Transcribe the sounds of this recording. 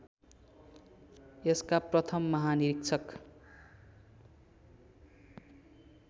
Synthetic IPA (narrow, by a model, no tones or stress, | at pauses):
eskaprʌt̪ʰʌmːʌɦaniɾik̚t͡sʰʌk